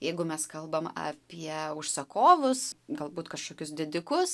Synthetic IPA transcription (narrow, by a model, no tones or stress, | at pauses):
jɛɪɡʊmʲɛskɐlˠbɐmɐ̰ːpʲiɛʊʃsɐkoːʋʊsɡɐlˠbuːt̪kɐʃkoːkʲʊsd̪ʲɪd̪ʲɪkʊs